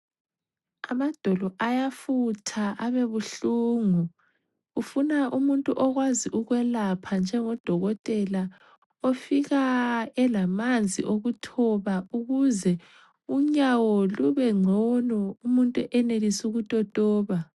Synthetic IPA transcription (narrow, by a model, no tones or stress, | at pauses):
amad̥ʱɔlɔʔajafutʰaʔaβeβuɬuːŋuː | funaʔumuntʼuʔɔɣwaziʔuɣwɛlapʰand͡ʒʱɛŋɔd̥ʱɔɣɔtʼɛla | ofiɣaɛlamand͡zʱḭʔoɣutʰɔβauɣuzɛ | uɲawɔluβɛŋ͡ǀʱɔnɔumuntʼuʔɛnelisuɣutʼɔd̥ʼʱɔːβa